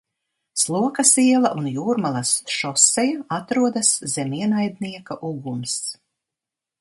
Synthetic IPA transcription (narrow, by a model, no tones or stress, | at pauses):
slˠuɔkɐsiɛlˠɐʔunjuːɾmalˠasʃɔsɛjuat̪ɾuɔd̪aszɛmiɛnajd̪niɛkaʔuɡums